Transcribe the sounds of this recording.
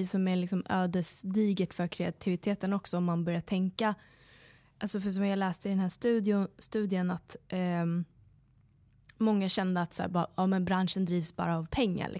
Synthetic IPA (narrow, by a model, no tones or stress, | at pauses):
sɔmælɪksɔmøːd̪əsd̪iːɡət̪fœɾkʰɾɛat̪ʰɪvɪt̪ʰeːt̪ənɔksɔɔmːanbœɾjat̪ʰɛŋka | ʔalsɔfœʂ̬ɔmjɑːlɛːst̪əɪd̪ɛnɦæːʂt̪ʉ̟ːd̪ɪʊst̪ʉ̟ːd̪jənat̪ | mɔŋːaɕɛnd̪əat̪sæ̰ːɾbʔɑːmɛnbɾanʂənd̪ɾiːvsbɑ̰ːɾaːvpʰɛŋːa̰lʔɪ̰